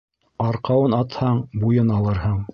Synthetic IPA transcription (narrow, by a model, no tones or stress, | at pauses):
ɑɾqɑwɤnɑt̪hɑɴbujɤnɑlˠɤ̆ɾhɤɴ